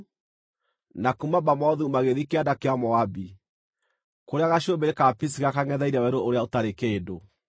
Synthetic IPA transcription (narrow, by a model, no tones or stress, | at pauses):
nakumabamɔðumaɣeðikeadakeamɔabi | koɾeaɣaɕobeɾekapis̬iɣakaŋɛðaiɾɛwɛɾoʔoɾeaotaɾekeːdo